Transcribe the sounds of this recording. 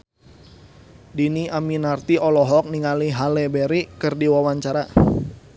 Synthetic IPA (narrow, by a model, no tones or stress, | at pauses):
diniaminart̪iɔlɔɦɔk̚niŋaliɦalɛbɛɾikɨrdiwawaɲt͡ʃaɾa